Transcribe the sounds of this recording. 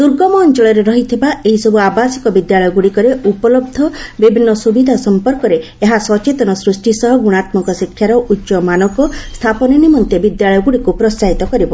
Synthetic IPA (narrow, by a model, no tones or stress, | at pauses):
d̪uɾɡɔmɔːnt͡ʃɔɭɔɾeɾɔɦit̪ʰibaeɦisɔbuabasi̥kɔbid̪jaɭɔjɔɡuɽikɔɾeupɔlɔb̚d̪ʱɔbibʱinːɔsubid̪ʱasɔmpɔɾkɔɾe | eɦasɔt͡ʃet̪ɔnɔsɾusʈisɔɦɔɡuɽ̃at̪mɔkɔsikʰːjaɾɔʔutːʃɔmanɔkɔst̪ʰapɔnɔnimɔnt̪ebid̪jaɭɔjɔɡuɽikupɾɔst͡ʃaɦit̪ɔkɔɾibɔ